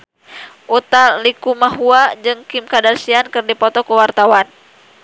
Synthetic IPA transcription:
ʔut̪alikumaɦuad͡ʒɨŋkimkadarsiankɨrdipɔt̪ɔkəwart̪awan

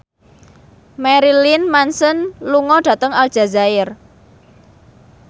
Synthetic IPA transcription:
mɛɾilinmansənluŋɔɖ̥ä̤t̪əŋald̥ʒ̥a̤zaɪr

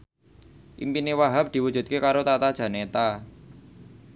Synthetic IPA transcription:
ʔḭmpinewaɦap̚d̪̥i̤wud̥ʒ̥ṳt̪̚kekaɾot̪at̪ad̥ʒ̥ä̤net̪a

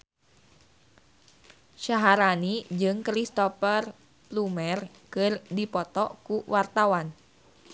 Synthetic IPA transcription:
ʃaɦaɾanid͡ʒɨŋkɾist̪ɔfər | plumɛr | kɨrdipɔt̪ɔkuwart̪awan

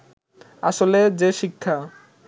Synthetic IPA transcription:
a̰ʃoled͡ʑeʃikʰːa

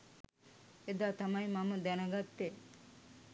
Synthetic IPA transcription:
ed̪aːt̪ɐmɐjmaməd̪ɛnɐɡat̪ːe

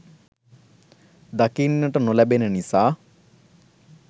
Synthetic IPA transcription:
d̪ɐkiːnnːɐʈɐnolɐbenɐnisaː

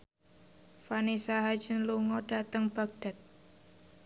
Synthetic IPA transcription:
fanisaɦḁd͡ʒ̥ə̤nluŋɔɖ̥a̤t̪əŋb̥a̤ɡ̚ɖ̥a̤t̪̚

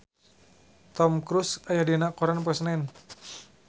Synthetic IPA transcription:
t̪ɔmkɾusajadinakɔɾanp̬ɛsnaɛn

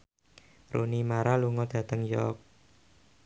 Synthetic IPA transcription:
rʔṵnimaɾaluŋɔd̪̥ä̤t̪əŋjɔ̰k̚

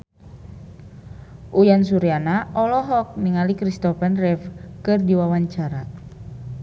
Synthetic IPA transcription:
ʔujansuɾianaʔɔlɔɦɔk̚niŋalikɾist̪ɔfɛnrɛfkɨrdiwawaɲt͡ʃaɾa

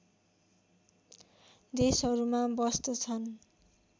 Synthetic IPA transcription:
d̪esʌɾumabʌst̪ʌt͡sʰʌn

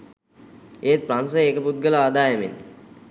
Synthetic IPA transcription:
eːt̪̚pɾansəjekəput̪̚ɡəlaad̪aːemḛnː

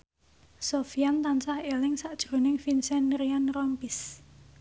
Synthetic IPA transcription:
sofiant̪ansahelɪŋsaʔd̥ʒ̥ɾo̤nɪŋfinsɛnːɾianrɔmpis

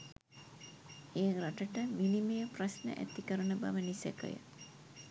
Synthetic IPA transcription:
eːraʈəʈəminimejəprasnə̰ʔæ̰t̪ikəɾənəba̰ʋənisæ̰kə̰jə̰

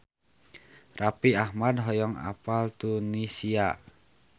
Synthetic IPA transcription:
rapiahmadɦɔjɔŋa̰palt̪unisia

